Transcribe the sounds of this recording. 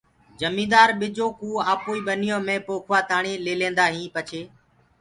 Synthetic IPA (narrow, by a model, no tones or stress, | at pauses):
d͡ʒəmĩːd̪aːɾɓɪd͡ʒoːkuːaːpoːiːɓənɪjõːmẽːpoːkʰʋaːt̪aːɳiːleːlẽːnd̪aːɦĩːpət͡ʃʰeː